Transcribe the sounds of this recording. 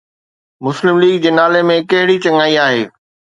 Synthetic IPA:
mʊslɪmliːɡd͡ʑeːnaːlemẽkɐɦɪɽit͡ɕɐ̃ŋaːiaːɦḛː

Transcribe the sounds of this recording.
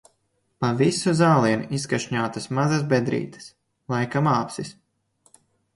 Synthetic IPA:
pavisuzaːlˠiɛnʔiskaʃɲaːt̪asmazasbʲɛd̪ɾḭːt̪ɐ̥s | lˠajkamaːpsis

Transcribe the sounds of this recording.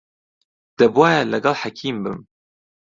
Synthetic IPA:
d̪̥ɐbwaːjɛlɐɡɐlħakʰiːmbɨm

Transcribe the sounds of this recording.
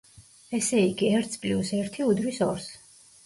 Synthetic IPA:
ɛsɛiɡiɛɾt̪sʰpʼlusɛɾt̪ʰiud̪ɾisɔɾs

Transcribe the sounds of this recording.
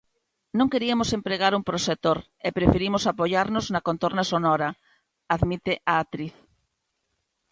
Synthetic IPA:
nõŋkeɾiamosempɾeɣ̞aɾumpɾoset̪oɾ | epɾefeɾimosapoʎaɾnoznakont̪oɾnasonɔɾa | aðmit̪eʔaat̪ɾiθ

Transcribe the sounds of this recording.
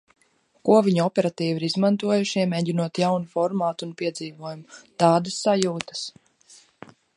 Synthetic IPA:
kuɔvʲiɲuɔpʲɛɾat̪iːviɾizmant̪uɔjuʃiɛmɛːɟinuɔt̪jawnufɔɾmaːt̪ːnpiɛd̪ziːvuɔjumt̪ɑːd̪ɐsːajuːt̪ɐ̥s

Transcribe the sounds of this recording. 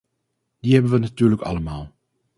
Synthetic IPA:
d̥iɦɛbənʋənatyːrləkɑ̰ləmaːlˠ

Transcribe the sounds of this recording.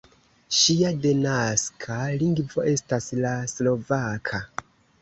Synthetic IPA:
ʃiadenaskʰaliŋɡvo̞ʔe̞staslaslo̞vakʰa

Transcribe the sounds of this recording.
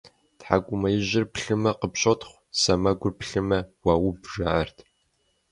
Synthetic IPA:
tħa̰kʷʼʊmɐjɪʑɪrpɬɨmɐqəpɕotχʷ | sɐmɐɡʷʊrpʰɬɨmɐwaːwʊbʐaʕɐrtʰ

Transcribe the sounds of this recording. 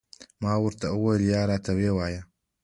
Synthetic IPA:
maːwʊɾt̪ɐʔɐwojljaːɾaːt̪ʰɐweːwaːjɐ

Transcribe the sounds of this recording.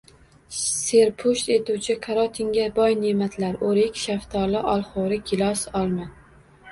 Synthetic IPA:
seɾpʰʊʃt̪e̞t̪uwt͡ʃʰɪkʰaɾɒt̪ʰiŋɡʲabɒjnemat̪ʰlaɾʔoɾekʲʃaft̪ʰɒlɪʔɒlˠχoɾɪɡʲʰɪlɒsɒlˠma

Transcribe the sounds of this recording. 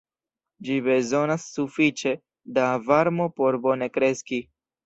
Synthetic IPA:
d͡ʒibe̞zo̞nasːufit͡ʃe̞ | davaɾmo̞po̞ɾbo̞ne̞kɾe̞ski

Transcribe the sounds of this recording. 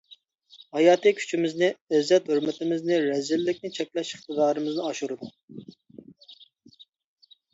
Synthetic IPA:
hɑjɑːt̪ɨkʲʰy̥t͡ʃʰimɪznɪɛzːɛt̪høɾmɪt̪ʰɪmɪznɪɾɛzɪlːɪkʲnɪt͡ʃʰɛkʲlɛʃəχt̪ɨd̪ɑːɾɨmɨznɨɑʃuɾɨd̪u

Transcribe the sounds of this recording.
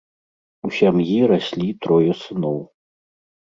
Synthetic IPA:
usʲamjiɾasʲlʲit̪ɾɔjɐsɨnɔw

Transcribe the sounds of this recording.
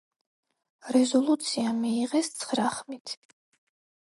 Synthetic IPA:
ɾɛzɔlˠut̪sʰiamiːʁɛst̪sʰχɾaχmit̪ʰ

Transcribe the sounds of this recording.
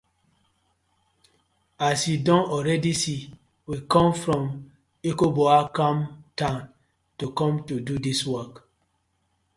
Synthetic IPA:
asjudɔ̃nɔɹɛdisi | wikɔ̃mfɹɔ̃m | ekobɔakɔ̃mtãn | tukɔ̃mtududiswɔk

